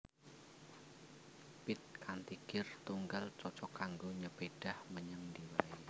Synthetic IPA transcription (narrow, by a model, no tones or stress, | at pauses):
pɪt̪̚kant̪iɡɪrt̪uŋɡalt͡ʃɔt͡ʃɔkaŋɡoɲəb̥eɖ̥ahməɲəŋdiwai